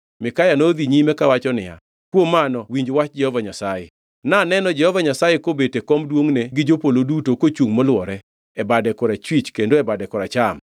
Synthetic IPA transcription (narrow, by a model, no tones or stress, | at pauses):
mɪkajanod̪iɲimɛkawat͡ʃɔnɪja̰ | kwomanɔwiɲd͡ʒwat͡ʃ̚d͡ʒɛhɔvaɲasajḛ | nanɛnɔd͡ʒɛhɔvaɲasajekobetekɔmdwoŋneɡɪd͡ʒopolodutokot͡ʃuŋmɔlwɔɾɛ | ɛbadɛkɔɾat͡ʃwit͡ʃkendoɛbadɛkɔɾat͡ʃam